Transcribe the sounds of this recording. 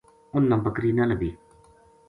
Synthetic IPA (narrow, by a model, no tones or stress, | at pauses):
ʔʊnːambakɾinanabi